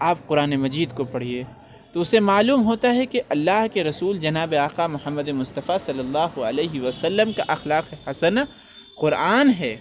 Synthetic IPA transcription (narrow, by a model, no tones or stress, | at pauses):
aːp̚qʊɾaːnemɐd͡ʒiːd̪kopɐɽ̤ieː | t̪oʊsemaːluːmɦoːt̪aɦɛkeʔɐlːaːɦkeɾɐsuːld͡ʒɐnaːbeaːqaːmʊhəmːəd̪emʊst̪ɐfasɐlːɐlːaːɦoɐ̰leːɦɪʋɐsɐlːəmkaʔɐxlaːqehɐsɐna | qʊɾaːnɦɛː